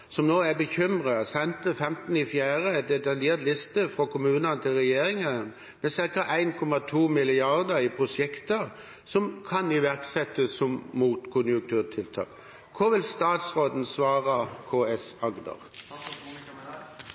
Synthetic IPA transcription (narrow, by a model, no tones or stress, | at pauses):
sɔmnoːæbəçʏmʁɑsɛnt̪əfɛmt̪n̩ɪfjæːʁəɛd̪ɛt̪ɑljeːʁt̪lɪst̪əfʁɔkʰʊmʉːnɑnət̪ʰɪlʁɛjeːɾɪŋən | mɛsɪɾkɑʔæɪnkʰɔmɑt̪ʰuːmɪlɪɑʁd̪əɾɪpʰʁʊsjɛkt̪ə | sɔmkʰɑnɪʋæʁksɛt̪ːəsɔmmuːt̪kʰʊnjʊŋkt̪ʰʉːʁt̪ʰɪlt̪ʰɑ̰ːk | kʰɔʋɪlst̪ɑːt̪sʁoːd̪n̩sʋɑːʁəkʰoːɛsɑɡd̪ə̰ʁ